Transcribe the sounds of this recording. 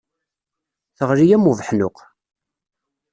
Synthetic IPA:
θəʁɾijæmuvəħnʊq

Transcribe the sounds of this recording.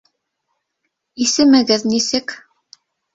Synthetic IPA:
isɘmɘ̆ɡɘðnisɘk

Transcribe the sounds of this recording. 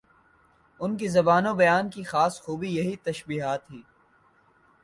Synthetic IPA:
ʊnkizɐbaːnõbɐjaːnkixaːsxuːbijɐɦit̪ɐʃbiːɦaːt̪ɦiː

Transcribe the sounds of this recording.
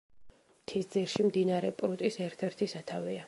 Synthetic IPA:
mt̪ʰisd̪ziɾʃimd̪inaɾɛpʼɾut̪ʼisɛɾt̪ʰɛɾt̪ʰisat̪ʰavɛa

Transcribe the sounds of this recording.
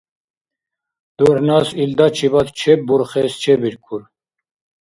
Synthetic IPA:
d̪̥uɾnasild̪at͡ʃʰibat̪t͡ʃʰɛbuɾχɛst͡ʃʰɛbiɾkʰʼuɾ

